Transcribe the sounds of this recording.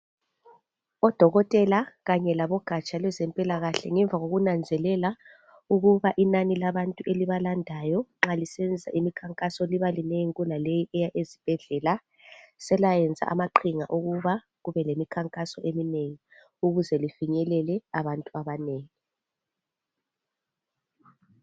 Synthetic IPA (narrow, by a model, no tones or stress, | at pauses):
ɔd̥ʱɔɣɔtʼɛlaɣaɲɛlaβɔɡ̥ʱat͡ʃʼalwɛzɛmpʼilaɣaɬɛ̰ŋɛɱb̪vʱaɣoɣunand͡zʱɛlɛla | uɣuβaʔinanilaβantʼuʔeliβalandʱajɔŋ͡ǁalisɛend͡zʱid͡za̰ʔimikʰaŋkʼasɔliβalinejŋɣulalejiʔɛjaʔezib̥ʱɛɮɛla | sɛlajɛnd͡zʱa̰ʔa̰maǃʰiŋa̰ʔuɣuβa | ɣuβɛlemikʰaŋkʼasɔʔemineŋi | uɣuzɛlifiɲɛlɛlɛaβantʼuaβaneːŋi